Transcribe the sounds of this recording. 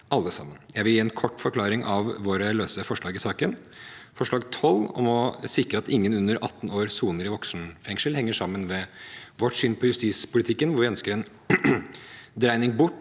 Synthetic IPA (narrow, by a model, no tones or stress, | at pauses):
ɑlːəsɑ̰mːənjæɪʋɪljiːɛnkʰɔʈːfɔɾkʰlɑːɾɪŋʔɑʋʋoːɾəløːsəfɔʂɭɑːɡɪsɑːkən | fɔʂɭɑːɡt̪ʰɔlːɔ̰mɔsɪkɾəɑt̪ɪŋːənʉnːəɾʔɑt̪ːnoːɾsuːnəɾɪʋɔksn̩fɛŋʂəlhɛŋːəʂɑmːənʋɛʋɔʈsʏnpʰɔjʉst̪iːspʊlɪt̪ʰɪkːənʋʊɾʋɪœnskəɾɛn | d̪ɾæɪnɪŋbʊʈː